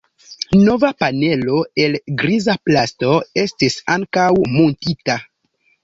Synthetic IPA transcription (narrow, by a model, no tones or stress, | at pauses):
no̞vapane̞lo̞e̞lɡɾizaplasto̞e̞stisaŋkawmontita